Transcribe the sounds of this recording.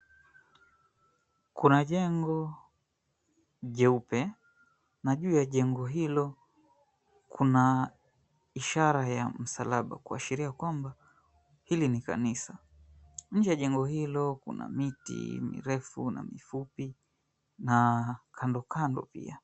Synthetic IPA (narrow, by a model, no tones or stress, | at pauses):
kunaʄɛŋɡɔ | ʄɛupɛ | naʄuːjaʄɛŋɡɔɦilɔ | kʰuna | iʃaɾajam̩salaɓa̰kuaʃiɾiakwamba | hilinika̰nisa | ɲ̩d͡ʒɛjaʄɛŋɡɔhilɔkṵna̰mitḭmḭɾɛfuna̰mifupi | nakʰandɔkʰandɔ̰pḭa